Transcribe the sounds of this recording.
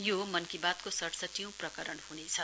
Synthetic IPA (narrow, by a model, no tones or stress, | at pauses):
jomʌnkibat̪kosʌʈsʌʈijũprʌkʌɾʌnhunet͡sʰʌ